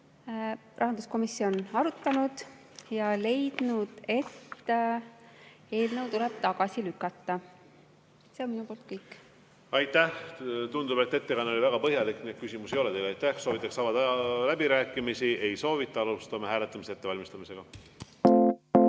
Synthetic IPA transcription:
rɑɦɑnd̪usko̞misːio̞nɑɾut̪ːɑnud̪̥ | jɑle̞jd̪̥nud̪̥e̞t̪ː | e̞ːlnəwt̪uleb̥t̪ɑɡ̥ɑsilykːˑɑt̪ːɑ | se̞onminupo̞ːlt̪kɤjkːˑ | ɑjt̪ːæht̪und̪ube̞t̪ːet̪ːekɑno̞lʲivæɡ̥ɑpɤɦjɑlikːni̥kysʲimusejo̞let̪ejlɑjt̪ːæhso̞ːvit̪ːˑɑksɑːvɑd̪læbiɾæːkːˑimisie̞jso̞ːvit̪ːˑɑɑlust̪ɑmɑhæːlet̪ːˑɑmiseet̪ːe̞vɑlʲmist̪ɑmise̞ɡ̥ɑ

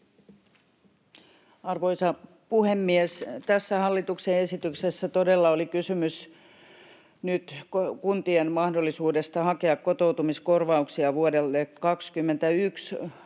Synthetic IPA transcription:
ɑrʋoisɑ | puhemːiest̪æsːæhɑlːit̪ukseesit̪yksesːæt̪odelːɑolikysymys | nyt̪kkunt̪ienmɑhdolːˑisuːdest̪ɑhɑkeɑkkot̪out̪umiskorʋɑuksiɑʋuodelːekɑkskymːent̪æyks

